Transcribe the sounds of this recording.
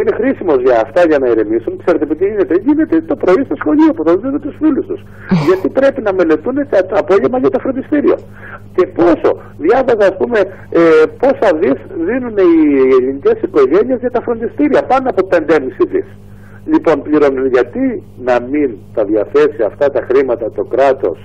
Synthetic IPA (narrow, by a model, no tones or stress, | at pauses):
uine̞xɾisimo̞zʝɐːft̪ɐʝɐnɐiɾemisunkse̞ɾet̪epit̪iʝine̞t̪eʝine̞t̪e̞t̪o̞pɾo̞ist̪osxo̞ʎio̞puθɐzðint̪et̪usfilust̪us | ʝɐt̪ipɾe̞pinɐme̞le̞t̪unet̪ɐt̪ɐpo̞ʝevmɐʝɐt̪ofɾo̞nd̪ist̪iɾio̰ | ce̞po̞so̞̰ | ðʝɐvɐzɐːspume̞ | epo̞sɐðisðinune̞ielinice̞siko̞ʝe̞ɲie̞zʝɐt̪ɐfɾo̞nd̪ist̪iɾiɐpɐnoɐpo̞pe̞nd̪eemisiðḭs | lipo̞npliɾo̞nuneʝɐt̪i | nɐmint̪ɐðʝɐθe̞siɐft̪ɐt̪ɐxɾimɐt̪ɐt̪o̞kɾɐt̪o̞̰s